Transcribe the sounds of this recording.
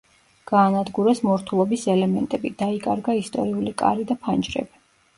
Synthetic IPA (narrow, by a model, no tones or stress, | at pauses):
ɡ̥aːnad̪ɡuɾɛsmɔɾt̪ʰulˠɔbisɛlɛmɛnt̪ʼɛbid̪̥aikʼaɾɡaist̪ʼɔ̰ɾiulikʼa̰ɾid̪apʰand͡ʒɾɛ̰bi